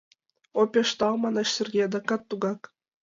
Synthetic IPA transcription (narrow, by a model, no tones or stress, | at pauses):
opʲeʂt̪ɑlˠmɑnɑʃsʲɘ̆rʲɡʲed̪ɑkɑt̪ːuɡɑk